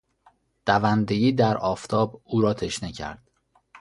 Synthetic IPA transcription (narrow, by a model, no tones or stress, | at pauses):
d̪̥ævænd̪ejiːd̪æɾɒːft̪ʰɒːbuːɾɒːt̪ʰe̞ʃnecʰæ̰ɾd̪̥